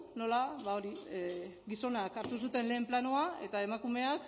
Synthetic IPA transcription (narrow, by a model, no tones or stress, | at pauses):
no̞laβao̞ɾi | ɡiso̞nakaɾt̪us̬ut̪e̞nle̞ːmplanoae̞t̪ae̞makume̞ak